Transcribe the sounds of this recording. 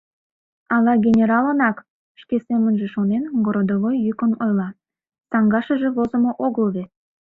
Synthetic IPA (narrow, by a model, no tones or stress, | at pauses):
ɑlɑɡʲenʲeɾɑlənɑk | ʃkesemənʒeʃonenɡoɾod̪oβojːykənojlɑ | sɑŋɡɑʃəʒĕβozə̆moʔoɣəlβe